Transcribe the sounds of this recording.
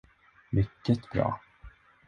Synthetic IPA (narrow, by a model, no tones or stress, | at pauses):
mʏkːət̪b̥ɾɑ̰ː